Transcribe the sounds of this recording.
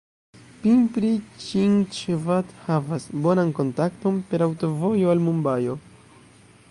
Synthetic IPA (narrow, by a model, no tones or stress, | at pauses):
pimpɾit͡ʃiŋt͡ʃvathavasbo̞nanko̞ntakto̞mpe̞ɾawto̞vo̞jo̞almumbajo̞